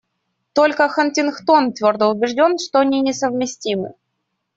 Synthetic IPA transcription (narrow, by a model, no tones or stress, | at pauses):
t̪o̞lʲkəxəntʲɪnxt̪o̞nt̪vʲo̞rd̪əʊbʲɪʐdʲo̞nʂt̪oɐnʲinʲɪsəvmʲɪsʲtʲimɨ̰